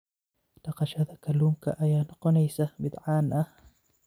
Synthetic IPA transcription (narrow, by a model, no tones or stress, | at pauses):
d̪̥ɑqɑʃɐðɐkʰɐluːŋkʰɐ̰ʔɐjaːnɔqɔnɛjsɐbɪd̪ʕaːnʔɐh